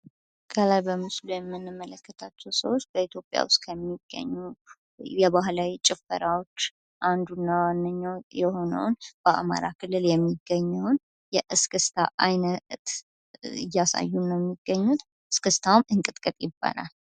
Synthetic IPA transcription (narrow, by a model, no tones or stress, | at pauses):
kʰəlajbəmɨslujɛmːɨnːɨmːələkːət̪ʰat͡ʃːɛwsəwot͡ʃːbəit̪ʰjo̞pʼja̰wʊst̪kʰəmːiɡ̥ːə̰ɲːu | jɛβaɦlawit͡ʃʼɪfəɾawo̞t͡ʃː | ʔand̪unːawanːəɲːawjɛho̞nə̰wnb̥əʔa̰ma̰ɾakʰɨlːɨljɛmːiɡːəɲːəwn | jɛʔɨskʰɨst̪ʰaʔajnət̪ | ɨ̰jːasa̰jːunːəmːiɡːəɲːut̪ | ɨskʰɨst̪ʰawmɨŋkʼɨt̪ʼkʼɨt̪ʼjɪbːa̰la̰l